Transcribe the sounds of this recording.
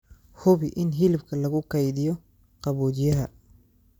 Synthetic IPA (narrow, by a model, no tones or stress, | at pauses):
hʊβɪʔɪnɦɪlɪbkʰɐlɐɣʊkʰɐjðɪjɔ | qɑβɔːd̪ɪjɐɦɐ